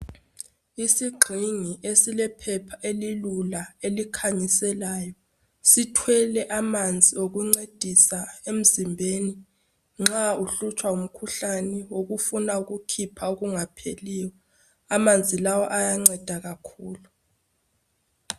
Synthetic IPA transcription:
isiɡ͡ǃʱiŋiʔesilɛpʰɛpʰaʔelilulaelikʰaɲisɛlaːjɔ | sitʰwɛlɛʔamand͡zʱioɣuŋ͡ǀed̥ʱisaem̩zimbʱeni | ŋ͡ǁauɬut͡ʃʰʼwaum̩kʰuɬanɛwoɣufunauɣukʰipʰauɣuŋapʰeliːwɔ | amand͡zʱilawɔʔajaŋ͡ǀɛd̥ʱaɣakʰuːlu

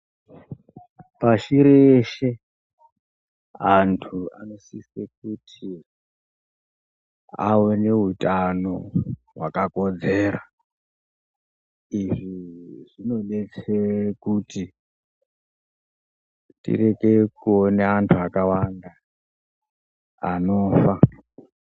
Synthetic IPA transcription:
paʃiɾeʃe̞ | antʰua̰no̞sisek̚utʰi | a̰wene̞ɦutano̞ɦwakako̞d͡ze̞ːɾa | iʐiʐino̞ɗe̞t͡sewekuti | tḭre̞ke̞kuoneantʰuakawanda | ano̞ːfa

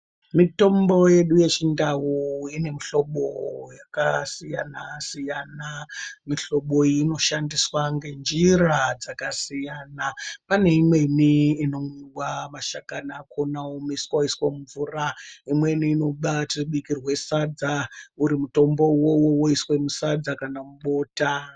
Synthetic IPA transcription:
mito̞mbo̞je̞ɗuje̞t͡ʃindawuine̞miɬo̞ɓo̰jakasija̰nasijanamiɬo̞ɓo̞ino̞ʃandiswaŋɡe̞nd͡ʒirad͡zakasijanapane̞imwe̞niːno̞miwamaʃakanaːkʰonawomiskaiswemuɱvuraimwe̞niːno̞ɗatiriɓikirwe̞sad͡zauɾimuto̞mbo̞wowowoiswe̞musad͡zakanamuɓo̞ːta

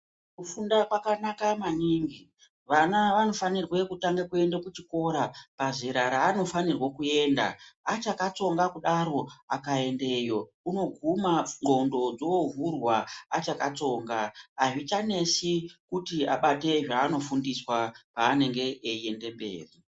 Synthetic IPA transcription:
kufundakwakanakamaniŋɡi | ʋanaʋano̞fanirwe̞kutaŋɡakue̞ndekut͡ʃiko̞ɾapaʐiɾaɾaːno̞fanirwakue̞ːnda̰at͡ʃakat͡so̞ŋɡakuɗaɾo̞akae̞nde̞jo̞ | uno̞ɡʱumaŋ͡ǃo̞ndo̞d͡zovurwaat͡ʃakat͡so̞ːŋɡaːʐit͡ʃane̞sikutiaɓate̞ʐaːno̞fundiswapaːne̞ŋɡe̞ːie̞nde̞mbe̞̰ːri

